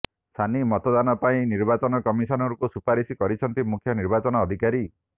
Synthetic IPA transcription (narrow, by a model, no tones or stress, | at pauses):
st̪ʰanimɔt̪ɔd̪anɔpaĩniɾbat͡ʃɔnɔkɔmisɔnɔɾukusupaɾisikɔɾit͡ʃʰɔnt̪imukʰjɔniɾbat͡ʃɔnɔːd̪ʱikaɾi